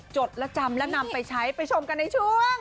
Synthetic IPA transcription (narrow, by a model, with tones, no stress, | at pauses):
t͡ɕo˨˩t̪̚lɛ˦˥t͡ɕa˧mlɛ˦˥na˧mpa˧jt͡ɕʰa˦˥jpa˧jt͡ɕʰo˧mka˧nːa˧jt͡ɕʰu˥˩əŋ